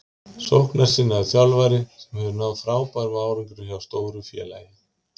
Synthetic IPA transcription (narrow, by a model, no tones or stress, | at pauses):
sohknaɾ̥sɪnːaθjalvajɾɪsɛmhɛvʏɾnaːwðfɾaːwpaɾvaaːwɾiŋkɪɾʏçjawst̪oːwɾʏfjɛ̰ːla̰jɪ